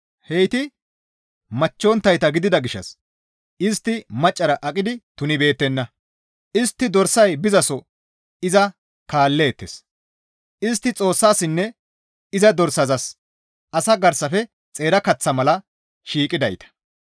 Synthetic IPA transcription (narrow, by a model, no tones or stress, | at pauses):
hejt̪ɪ | mɐt͡ʃːoːnt̪ːɐjt̪ɐɡɪd̪ɪd̪ɐɡɪʃːɐ̰s | ʔɪst̪ːɪmɐt͡ʃʼːɐɾɐʔɐkʼɪd̪ɪt̪ʊnɪbe̞ːt̪ːɛnːɐ | ʔɪst̪ːɪd̪ɔɾsɐjbɪzɐsɔ | ɪzɐ | kaːlːeːt̪ːḛs | ʔɪst̪ːɪt͡sʼo̞ːsːaːsɪnːɛ | ɪzɐd̪ɔɾsɐzɐs | ʔɐsɐɡɐɾsɐfɛ | t͡sʼe̞ːɾɐkɐt͡sːɐmɐlɐ | ʃiːkʼɪd̪ɐjt̪ɐ̥